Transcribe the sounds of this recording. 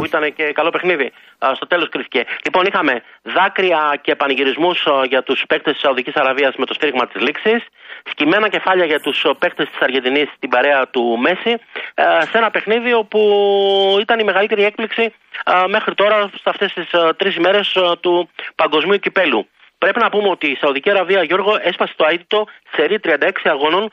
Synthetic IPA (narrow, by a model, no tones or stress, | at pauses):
puit̪ɐnece̞kɐlo̞pe̞xniði | st̪o̞t̪e̞lo̞skɾisi̥celipo̞nixɐme̞ | ðɐkɾiɐce̞ːpɐniʝiɾizmusʝɐt̪uspe̞kt̪est̪i̥sɐoðicisɐɾɐviɐzme̞t̪o̞st̪iɾiɣmɐt̪izliksisːcime̞nɐce̞fɐʎɐʝɐt̪uspe̞kt̪est̪i̥sɐɾʝend̪inist̪ibɐɾe̞ɐt̪ume̞si | se̞nɐpe̞xniðio̞pu | it̪ɐnime̞ɣɐlit̪e̞ɾie̞k̚pliksi | me̞xɾit̪o̞ɾɐsɐft̪e̞st̪ist̪ɾisime̞ɾe̞st̪upɐŋɡo̞zmiucipe̞lu | pɾe̞pinɐpumeo̞t̪iːsɐuðiciɐɾɐviɐʝo̞ɾɣo̞ʔe̞spɐset̪oɐit̪it̪o̞i̥seɾit̪ɾiɐnd̪ɐe̞ksiɐɣo̞no̞n